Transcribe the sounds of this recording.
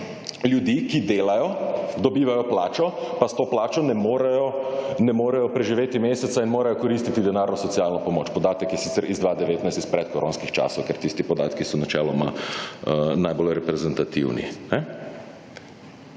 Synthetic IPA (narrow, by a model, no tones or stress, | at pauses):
ljud̪iːkid̪eːlajɔd̪ɔbiːʋajɔplaːt͡ʃɔpast̪oːplaːt͡ʃɔnɛmoːɾɛjɔnɛmoːɾɛjɔpɾɛʒiʋeːt̪imeːsɛt̪sainmoːɾajɔkɔɾist̪it̪id̪ɛnaːɾnɔsɔt̪siaːlnɔpɔmoːt͡ʃpɔd̪aːt̪əkjɛsit̪sɛɾʔizd̪ʋad̪ɛʋeːt̪najst̪ispɾɛt̪̚kɔɾʔo̰ːnskixt͡ʃa̰ːsɔwkɛɾt̪ist̪ipɔd̪a̰ːt̪kisɔnat͡ʃɛːlɔma̰ | najbolɾɛpɾɛzɛnt̪at̪ḭwnḭnɛ